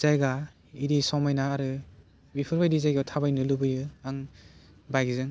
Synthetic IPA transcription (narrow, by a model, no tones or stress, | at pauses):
z̥ajɡa | iɾisɔmajnaːɾɯ | bipʰɯɾbajdizajɡatʰabajnɯlubɯjɯaŋ | bajɡizɯŋ